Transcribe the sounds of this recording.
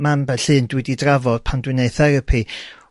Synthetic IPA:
manbɛɬɨːndwɪdidravɔd̥pʰandwɪneɨθaɾəpʰi

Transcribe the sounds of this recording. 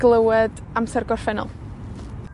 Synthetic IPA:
ɡlˠəwɛd | amsɛrɡɔrfɛnɔ̰lˠ

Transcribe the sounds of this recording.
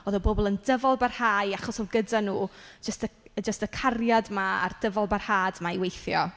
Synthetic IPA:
oːðəbobɔlˠəndəvɔlˠbarhaːjaχɔsɔlˠɡədanuːd͡ʒəstəd͡ʒəstəkʰarjadmaa̰rd̥əvɔlˠbarhaːdmaiwejθjɔ

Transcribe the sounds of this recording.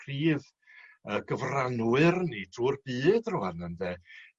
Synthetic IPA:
kʰriːð | əɡəvranwɨrnitʰuːrbɨːdrʊanəndɛ

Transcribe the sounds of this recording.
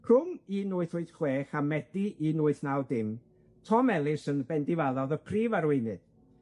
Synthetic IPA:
kʰʊminʊːɨθʊɨθχweːχamɛd̥iʔinʊːɨθnawdɪm | tʰɔmɛlˠɪsənbɛndɪvaðɔðəpʰriːvaɾwɪjnɨd̥

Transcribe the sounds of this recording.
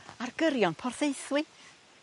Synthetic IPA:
arɡəɾjɔnpʰɔrθejθwɪθ

